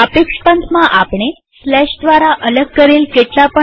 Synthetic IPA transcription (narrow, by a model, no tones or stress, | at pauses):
əpekʂpənt̪ʰmaʔapɳ̃e | slɛʂd̪ʋaɾaʔələɡ̚kəɾelkeʈ̪lapə